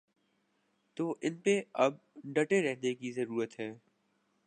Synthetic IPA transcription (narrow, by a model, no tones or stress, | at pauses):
t̪oːʔɪnpeɐb̚ɖɐʈeɾɛɦnekizɐɾuːɾət̪ɦɛː